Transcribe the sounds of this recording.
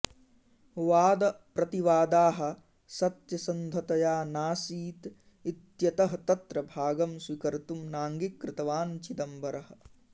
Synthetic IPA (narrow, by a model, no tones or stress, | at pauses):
ʋaːd̪ɐpɾɐt̪iʋaːd̪aːɦɐ̆ | sɐt̪jɐsɐnd̪ʱɐt̪ɐjaːnaːsiːt̪ | it̪jɐt̪ɐɦɐt̪ɐt̪ɾɐbʱaːɡɐmsʋikɐɾt̪umnaːŋɡikːɾɪt̪ɐʋaːnt͡ʃid̪ɐmbʱɐɾɐɦɐ̆